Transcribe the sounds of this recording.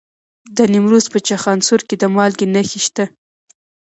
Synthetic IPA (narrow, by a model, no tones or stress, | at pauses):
d̪ənɪmɾuzpət͡ʃaxɑnsuɾked̪əmɑlɡinəxiʃt̪a